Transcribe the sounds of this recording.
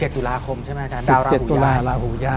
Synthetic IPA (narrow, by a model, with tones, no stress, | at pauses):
t͡ɕe˨˩t̪ːu˧˩laː˧kʰo˧mt͡ɕʰa˥˩ma˦˥t͡ɕʰa˦˥niː˨˧wɾa˧t͡ɕe˨˩t̪ːuː˧˦˧laː˧ɾaː˧huː˩˦jaː˥˩